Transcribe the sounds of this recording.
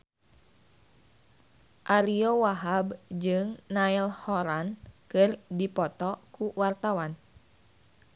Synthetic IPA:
ʔaɾiowaɦabd͡ʒɨŋnailhɔɾankɨrdipɔt̪ɔkuwart̪awan

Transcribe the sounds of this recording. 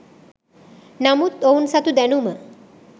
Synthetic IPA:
namut̪ownsat̪ud̪ɛnumə

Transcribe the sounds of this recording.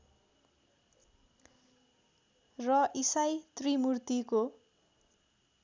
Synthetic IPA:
rʌʔisajt̪rimurt̪iko

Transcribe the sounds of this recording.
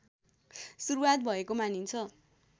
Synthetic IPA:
suɾuwat̪̚bʱʌekomanint͡sʰʌ

